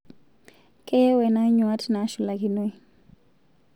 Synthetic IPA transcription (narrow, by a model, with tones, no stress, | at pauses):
kɛ˦wɛ˨na˦ɲwa˦tna˨˦ʃu˨la˨ki˨no˦j